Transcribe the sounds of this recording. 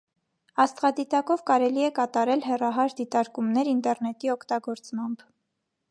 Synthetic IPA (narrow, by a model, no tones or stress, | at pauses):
ɑst̪ʁɑd̪it̪ɑkɔvkɑɾɛliɛkɑt̪ɑɾɛlɦɛrɑɦɑɾd̪it̪ɑɾkumnɛɾint̪ɛrnɛt̪iɔkʰt̪ɑɡɔɾt͡smɑmb